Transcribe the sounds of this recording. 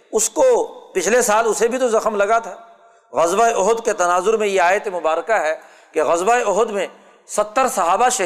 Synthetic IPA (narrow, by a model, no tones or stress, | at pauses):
ʊskopɪt͡ʃʰlesaːlʊsebʱit̪ozɐxmlɐɡat̪ʰa | ɣɐzbaːeʔʊɦd̪ket̪ɐnaːzʊɾmẽjeaːjət̪emʊbaːɾkaɦɛ | keɣɐzbaeʊɦd̪mẽ | sɐt̪ːəɾsɐɦaːbaʃɐ